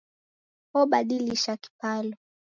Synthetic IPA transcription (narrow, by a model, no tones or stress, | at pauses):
hɔɓaɗiliʃaki̥palɔ